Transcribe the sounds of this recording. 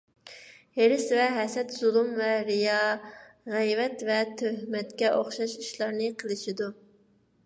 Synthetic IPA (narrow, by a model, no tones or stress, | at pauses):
heɾɪsvɛɦɛsɛt̪z̥ulˠumvɛɾijɑ | ʁɛjvɛt̪vɛt̪ʰøhmɛt̪kʲɛʔoχʃɑʃiʃlˠɑɾnɨqʰəlˠɨʃid̪u